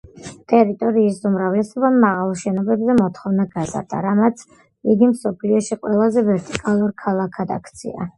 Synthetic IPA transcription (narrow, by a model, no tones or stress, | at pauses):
t̪ʼɛɾit̪ʼɔɾiːsumɾavlɛsɔbamːaʁalˠʃɛnɔbɛbzɛmɔt̪χɔvnaɡaza̰ɾd̪a̰ɾamat̪sʰ | iɡimsɔpʰliɔʃiqʼwɛlˠazɛvɛɾt̪ʼikʼalˠuɾkʰalˠakʰad̪akʰt̪sʰḭa̰